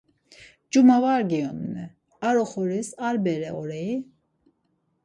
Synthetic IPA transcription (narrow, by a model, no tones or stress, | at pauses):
d͡ʒumavaɾɡiɔnnɛ | aɾɔχɔɾisaɾbɛɾɛɔɾɛi